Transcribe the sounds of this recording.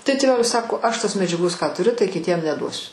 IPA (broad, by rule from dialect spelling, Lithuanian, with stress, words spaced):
tɐɪ tʲeːˈʋʲæːlʲɪs ˈsɑːkoː ˈɐʃ ˈtoːs mʲɛd͡ʒʲɛˈɡoːs kɑː tʊˈrʲʊ tɐɪ kʲɪˈtʲiɛm nʲɛˈduɔsʲʊ